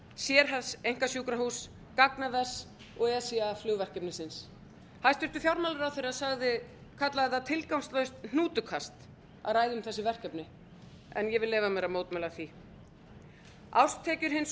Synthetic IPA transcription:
sjɛɾ̥ɦaðsejŋ̥kasjuːkɾahuːs | kaknaðɛs | ɔɣɛsiaflʏːɣvɛr̥cɛpnɪsɪns | hajst̪ʏht̪ʏfjawɾmawlʏɾawθejɾasaɣðɪ | kʰat̪laɣðat̪ʰɪlkawmst̪lœɥst̪n̥uːt̪ʏkʰast̪ | a̰ðɾaːjðʏmθɛsːɪvɛr̥cɛpnɪ | ɛ̰njɛvɪlɛːvamɛːɾamoːwt̪mɛlaθi | awst̪ʰːɛːcʏɾ̥ɦɪns

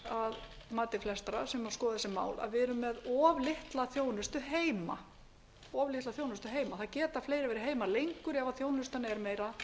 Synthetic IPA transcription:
aðmaːt̪ɪflɛst̪aɾasɛmːaskɔːðaðɛsɪma̰ːwla̰ðvɪɛɾʏmːɛðɔːvlɪht̪laθjoːwnʏst̪ʏɦeːjma | ɔːvlɪht̪laθjoːwnʏst̪ʏɦeːjmaθaðcɛːt̪aɾfleːjɾɪvɛːɾɪɦeːjmalejŋkʏɾɛvaθjoːwnʏst̪anɛɾmeːjɾa

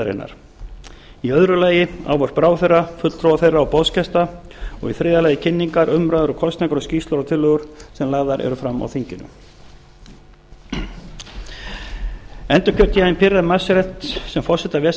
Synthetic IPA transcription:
ɾḛnːa̰ɾ̥ | iœðɾʏlaːjɪa̰wvɔɾ̥pɾaːwθejrːafʏt̪l̥t̪ɾɔwaθejrːaɔpɔðscʰɛst̪aɔ̰ɣiθɾɪːðalajɪcʰɪnːiŋkaɾʏmɾaðʏɾɔkʰɔst̪nɛkʏɾɔsciːst̪laɾawt̪ʰɪlːœɣʏɾ̥sɛmlaːɣðaɾʔɛ̰ɾʏfɾamːa̰wθiɲcɪnʏ̰ | ɛnt̪ʏ̥cʰœɾ̥t̪iajnpʰɪɾːaðmasɪɾɛt̪sɛmfɔr̥sɛt̪avɛs

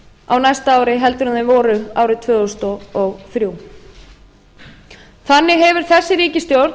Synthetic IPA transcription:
a̰wnajst̪aaːwɾɪɦɛlt̪ʏɾʏðɪvɔːɾʏaːwɾɪt̪ʰvœːɣɔst̪ɔɔɣθɾjuː | θanːɪɦɛvʏɾ̥θɛsːɪɾiːcɪst̪jowɾt̪

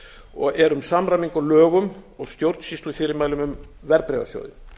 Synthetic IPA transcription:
ɔɣɛɾʏmsamɾamiŋkɔlœːɣʏmɔɣst̪jowɾt̪nsist̪lʏfɪːɾɪɾmaːjlʏmʏm | vɛɾpɾɛːva̰sjo̰wðɪ̰

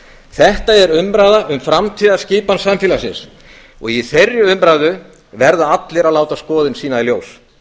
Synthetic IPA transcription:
θɛht̪aɛɾʏmpɾaːðaʔʏmfɾamt̪ʰiːðḁscɪːpansamfɪːlasɪ̰ns | ɔ̰ɣiθerjʏʏmpɾaːðʏ | vɛɾðaat̪lɪɾaðlaːwt̪askɔːðɪnsiːnailjoːws

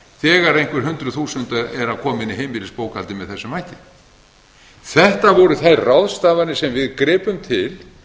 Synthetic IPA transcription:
θɛːɣaɾejŋ̥kvɪɾ̥ɦʏnt̪ɾʏθuːsʏnt̪aɛɾakʰɔːmɪnɪɦejmilɪspoːwkalt̪ɪmɛðθɛsːʏmaːjcɪ | θɛht̪avɔɾʏθajrrawðst̪aːvaɾnɪsɛmvɪðkɾɪːpʏmt̪ʰɪl

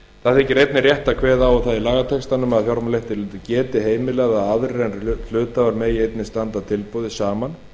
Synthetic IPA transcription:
θaθɛhcːɪɾejt̪nɪrjɛht̪akʰvɛːðawʏθaðilaːɣat̪ʰɛkst̪anʏmaðθjɔɾmalejht̪ɪlɪt̪ʏcɛːt̪ɪɦeːjmɪlɛːɣɣaaðɾɪɾɛnl̥ʏːt̪avaɾmɛːjɪejt̪nɪst̪ant̪at̪ʰɪlpɔwðɪsaːman

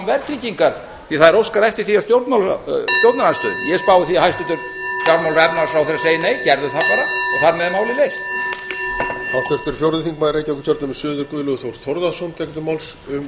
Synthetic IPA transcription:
mvɛɾt̪ɾiːciŋkaɾ | θiθaðɪɾowskaɾɛft̪ɪɾ̥θiast̪jowɾt̪mawlst̪jowɾt̪naɾlanst̪ʏ̰jɛspaːwɪθiahajst̪ʏt̪ʏɾ | st̪jaɾmawlɛp̪mawlsfɾawθeɾaseːjɪneːjcɛɾðʏθapaːɾaɔɣθaɾmɛðmaːwlɪlejst̪ | haft̪ɾ̥t̪ʏɾ̥fjowɾðɪθiŋk̚majðɾejcakʏ̥t̪ʰœɾt̪nʏmɛsʏːðʏɾkvʏlʏɣθowɾθɔɾðasɔnt̪ʰɛkt̪ʏmawlsʏm

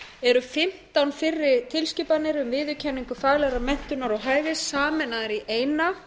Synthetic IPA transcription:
ɛɾʏfɪm̥t̪awnfɪrːɪɾt̪ʰɪlscɪːpanːɪɾʏmvɪːðʏcʰɛnːiŋkʏfaːɣlɛɣɾamɛn̥t̪ʏnaɾawɦaːjvɪsːaːmɛnaðɪɾiʔeːjna

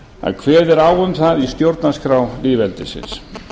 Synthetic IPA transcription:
a̰ðkʰvɛːðɛɾaːwʏmθaðist̪jowɾt̪naskɾaːwliːvɛlt̪ɪsɪ̰ns

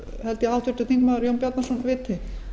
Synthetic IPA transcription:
hɛlt̪ɪawht̪ʰʏɾt̪ʏθiŋkmaðʏɾjowmpjat̪nasɔnvɪːt̪ʰɪ

